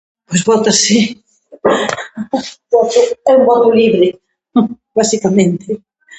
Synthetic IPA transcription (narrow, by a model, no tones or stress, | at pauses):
pojzβɔt̪asi | bɔt̪ʊɛumbɔt̪ʊliβɾɪ | basikamẽnt̪ɪ